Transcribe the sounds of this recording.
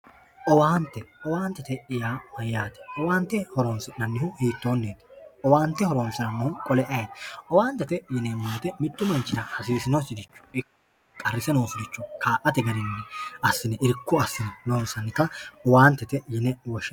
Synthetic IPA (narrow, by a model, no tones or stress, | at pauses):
ʔɔwaːnt̪ːɛɔwaːnt̪ːɛt̪ɛɪjaːmɐjːaːt̪ɛ̥ʔɔwaːnt̪ːɛhɔɾoːnsɪnɐnːɪhʊhiːt̪ːo̞ːnːeːt̪ɛ̥ʔɔwaːnt̪ːɛhɔɾoːnsɪnɐmːɔhʊkʼɔlɛʔɐjeʔɔwaːnt̪ːɛt̪ɛjɪnɛmːoːt̪ɛmɪt̪ːʊmɐnt͡ʃːɪɾɐhɐsiːsɪnɔsɪd̪ɪt͡ʃːʊ̥ɪ | kʼɐrːɪsɛnoːsʊd̪ɪt͡ʃːʊkʰaːʔɐt̪ɛɡɐɾɪnːɛɐsːɪnɛʔɪɾkːʊɐsːɪnɛnoːnsɐnːɪkːɐɔwaːnt̪ːɛt̪ɛjɪnɛwɔʃɛ